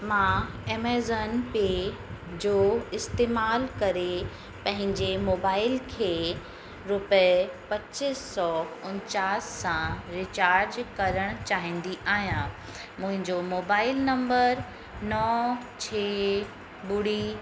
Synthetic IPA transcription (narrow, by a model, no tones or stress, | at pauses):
mãːeːmeːzənpeːd͡ʑoːɪst̪eːmaːlkɐɾe | pɐ̃ɦɪ̃ɲd͡ʑemoːbaːɪlkʰeː | ɾʊppɐt͡ɕɪsːɔʊɲt͡ɕaːsːãɾɪt͡ɕaːɾd͡ʑkɐɾəɽ̃t͡ɕaːɦĩːnd̪iʔaːɦijãː | mʊ̃ɦɪ̃ɲd͡ʑomoːbaːɪlnɐ̃mbəɾ | nɔ | t͡ɕʰeː | bʊɽi